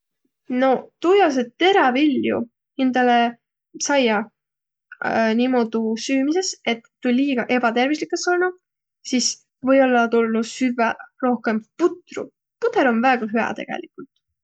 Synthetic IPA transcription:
no̞t̪ujɑs̬et̪e̞ɾɑviljṵ | hind̪ɑle | sɑjɑ | nimo̞d̪usyːmise̞se̞t̪ːujliːɡ̥ɑʔe̞b̥ɑt̪e̞rvislikːˑesolnu | sis | vɤ̞jo̞lːɑt̪ulːusyvɛro̞hke̞mput̪rṵ | put̪eɾo̞nvæːɡ̥ɑɦyɑ̰t̪e̞̰ɡ̥ḛlikult̪ˑ

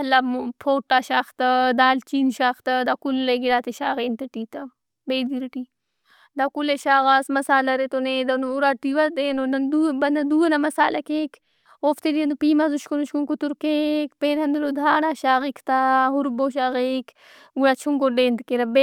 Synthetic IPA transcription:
ɐlampʰoːʈːaʃaːxt̪ɐd̪aːlt͡ʃiːnʃaːxt̪ɐd̪akulːeɡiɾaːt̪eʃaːɣeːnt̪ɐʈiːt̪ɐ | beːd̪iɾɐʈi | d̪akuleʃaːɣasmɐsaːlɐɾet̪oneːd̪ɐnuɾaʈiʋɐd̪eːnonɐnd̪ubɐnɐd̪uːɐnɐmɐsaːlʔɐkeːk | oːft̪ediend̪upiːmazuʃkunuʃkunkut̪uɾkeːkpeːnɦɐnd̪ɐlod̪ʱaːnaʃaːɣikʰt̪aɦuɾboːʃ̬aːɣek | uɾat͡ʃʰuŋkoɖeːnt̪keɾɐbe

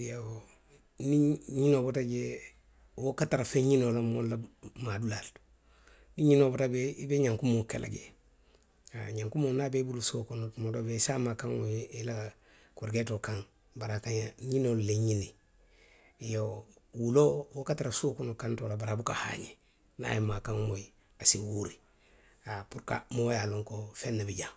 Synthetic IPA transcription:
ja | niɲinobotad͡ʒe | wokataɾafeɲinolamollamadulaltu̥ | niɲinobotabeibeɲãŋkumokḛlʔa̰ɡḛ | aɲaŋkumonabebulusokunmodobesamakaŋoila | kuɾɡetokaŋ | baɾakaɲaɲinolleɲini | jo | wulowokataɾasokunokantolabaɾabukaha̰ɲe | na̰jemakaŋmoji | asiwuɾi | apuɾka̰mojaloŋkofenːebiɟaŋ

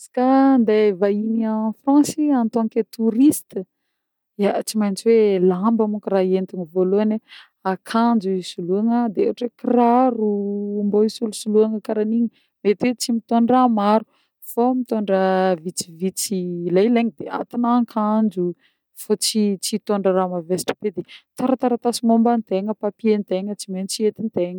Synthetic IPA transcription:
asḁkand̪avainiafrãnsiant̪oŋket̪uɾist̪ə | at͡simajnt͡swelambəmukraent̪uŋivoloane | akʰand͡ʒuisuluaŋəd̪eeaʈ͡ʂwekiraɾumboisulusuluaŋəkaɾaniɲə | met̪wet͡simit̪oɳramaɾu̥ | fomit̪oɳɖ͡ʐəvit͡sivit͡silajleɲəd̪ea̰t̪anaŋkʰand͡ʒu | fat͡sit͡sit̪oɳɖ͡ʐəɾamavesʈ͡ʂə̥ped̪et̪aɾət̪aɾət̪asimombant̪eŋəpapient̪eŋət͡simajnt͡siet̪int̪eŋə

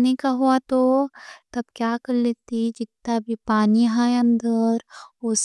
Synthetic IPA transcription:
nikaɦuat̪ot̪ɐbkjaːkɐɾleːt̪id͡ʒɪt̪ːabʱipaːniɦajɐ̃nd̪əɾʊs

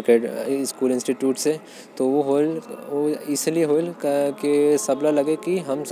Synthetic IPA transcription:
keːɖɪskuːlɪ̃nsʈiʈjuːʈse | t̪oʋoɦoloɪslieɦoːlkesɐblalɐɡekiɦɐms

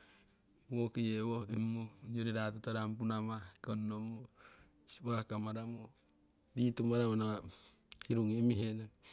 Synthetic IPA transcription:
wokijewoimːud͡ʒoɾeɾat̪ot̪aɾampunamakonːomo | si̥βakamaɾamo | dit̪umaɾamonaahiɾuŋimiɦenaŋ

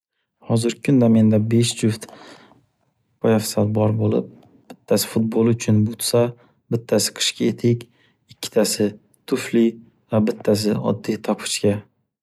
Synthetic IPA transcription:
hɒzɪɾkʰʊnd̪ame̞nd̪abe̞ʃd͡ʒʊft̪ | pʰɒjafsalbɒɾbolˠɪ̰p̚ | b̥ɪt̪ʰːasɪ̥fʊt̪̚bolˠʊt͡ʃʰʊnbʊt̪sa | bɪt̪ʰːasɪ̥qʰɨ̥ʃkʲaet̪ʰɪkʲ | ɪkʲʰːɪ̥t̪ʰasɪ | t̪ʰʊfli | vabɪt̪ʰːas̬ɪɒ̰d̪ːit̪ʰɒpʰɨ̥ʃkʲa

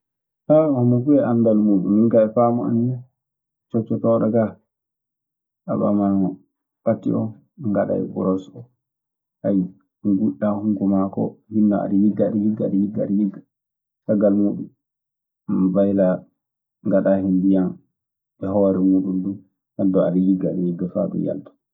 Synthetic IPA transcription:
tahɔmːɔfuɛʔandalmuːɗumːinkaɛfamɔa̰nːɛ | t͡ʃɔt͡ʃːɔtɔːɗɔka | ʔa̰ɓa̰maŋɔ | patːḭʔɔ̰n | ŋɡaɗa̰ɛ̰bṵɾɔsɔ | haj | ŋɡuɗːahuŋɡumakɔ̰hinːaa̰ɗijiɡːaaɗijiɡːaaɗijiɡːaaɗijiɡːa | saɡalmuɗum | bajla | ŋɡaɗahindijan | ɛɦɔɾɛmuɗumdum | sandɔaɗijiɡːaaɗijiɡːafa̰ɗɛ̰ja̰ltḁ

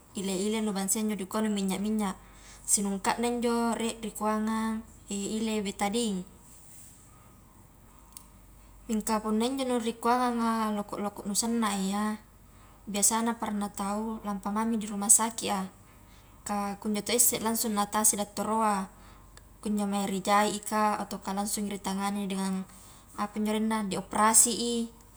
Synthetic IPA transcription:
ileilelubaŋsiaiɲd͡ʒodikonumiɲːaʔmiɲːaʔ | sinuŋkaʔnaiɲd͡ʒoreʔrikuaŋaŋ | eilebet̪adiŋ | miŋkapunːaiɲd͡ʒonurikuaŋaŋalokɔ̰ʔlokɔʔnusanːaeja | biasanapaɾanːat̪aulampamamidiɾumasakiʔa | kakuɲd͡ʒot̪oisːɛʔlansuŋːat̪asidat̪ːoɾoa | kuɲd͡ʒomaiɾid͡ʒaiʔikaot̪okalaŋsuŋɾit̪aŋanidɛŋan | apuiɲd͡ʒoɾinːadioprasiʔi

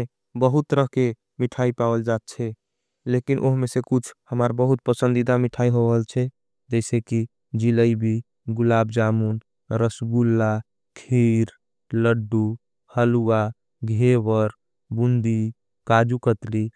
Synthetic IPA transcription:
e | bəɦut̪ɾəɦke | miʈʰaipawəld͡ʒat̪̚t͡ʃʰɛ | lekinʔoɦmesekut͡ʃʰhəməɾbəɦut̪̚pəsənd̪id̪amiʈʰaiɦoɦəlt͡ʃʰɛ | d͡ʒɛɪseki | d͡ʒiləibʱi | ɡulabd͡ʒamun | ɾəsɡulːa | kʰiɾ | ləɖːu | həlua | ɡʱeʋəɾ | bund̪i | kad͡ʒukət̪li

